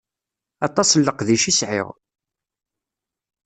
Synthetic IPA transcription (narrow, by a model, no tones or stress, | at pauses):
ɑt̪ˤɑslːəqðiʃisʕɪ̰ʁ